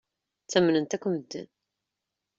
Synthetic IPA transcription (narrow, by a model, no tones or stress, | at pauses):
t͡sːæmnənt̪ækʷːəmd̪ːə̰n